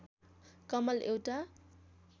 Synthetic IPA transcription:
kʌmʌlʔewʈa

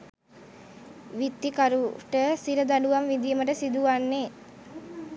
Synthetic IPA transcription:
ʋit̪ːikaɾuʈəsiɾəd̪aɖuʋamʋid̪ijəməʈəsid̪uʋanːe

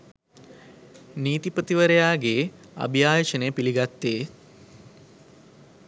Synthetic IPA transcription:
niːt̪iprət̪iʋəɾejaːɡeː | a̰bʱijaːjət͡ʃənejəpiliɡat̪ːeː

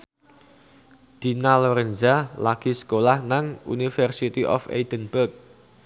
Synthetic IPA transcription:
d̪̥inaloɾɛnzalaɡ̥i̤sə̥kolahnaŋṵnifɛrsit̪iʔɔ̰fḛd̪̥ənb̥ərk̚

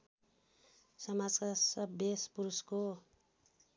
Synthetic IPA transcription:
sʌmad͡zkasʌbespuɾusko

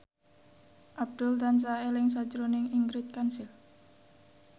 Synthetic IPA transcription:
ʔab̚d̪̥ʊlt̪ans̬aelɪŋs̬ḁd͡ʒəɾonɪŋiŋɡɾɪt̪̚kansɪl

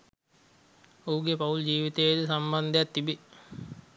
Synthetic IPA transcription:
ouɡepauld͡ʒiːʋit̪ejd̪əsamband̪ejat̪ːibe

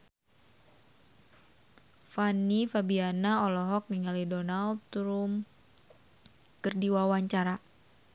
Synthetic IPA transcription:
fanifabianaɔlɔɦɔk̚niŋalidɔnalt̪ɾum | kərdiwawaɲt͡ʃaɾa

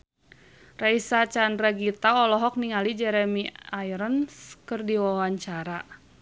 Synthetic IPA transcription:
raisat͡ʃandɾaɡit̪aɔlɔɦɔk̚niŋalid͡ʒɛɾɛmiajɾənskərdiwawaɲt͡ʃaɾa

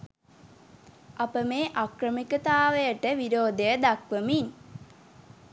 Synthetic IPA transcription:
apəmeːʔakrəmikət̪aːʋəjəʈəʋiɾoːd̪ejəd̪akʋəmin

